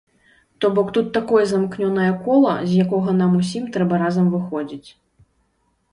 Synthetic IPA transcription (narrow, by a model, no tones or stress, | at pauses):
t̪ɔbɔkt̪ut̪ːakɔjɛzɐmknʲɔnɐjɐkɔlˠɐ̰zʲjakɔɣɐnamusʲimt̪ɾɛbɐɾazɐmvɨxɔd͡zʲit͡sʲ